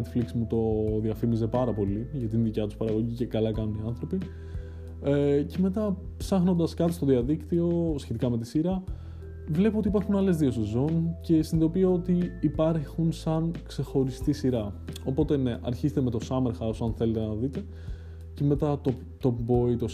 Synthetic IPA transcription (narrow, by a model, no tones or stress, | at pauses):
et̪fliksimut̪o̞ðiɐfimize̞pɐɾɐpo̞liʝɐt̪inðicɐt̪uspɐɾɐɣo̞ʝice̞kɐlɐkɐnuniɐnθɾo̞pi | ece̞me̞t̪ɐ | psɐxno̞nd̪ɐskɐt̪ist̪o̞ðiɐðikt̪io̞sçet̪ikɐme̞t̪isiɾɐ | vle̞puot̪ipɐɾxunɐle̞zðio̞se̞zo̞nce̞sinðo̞pieo̞t̪iːpɐɾxunsɐnkse̞xo̞ɾist̪isiɾɐo̞po̞t̪e̞ne̞ʔɐɾçizet̪eme̞t̪o̞sɐme̞ɾxɐosɐnθe̞le̞t̪enɐðit̪e̞ | ceme̞t̪ɐt̪o | t̪o̞bo̞it̪o̞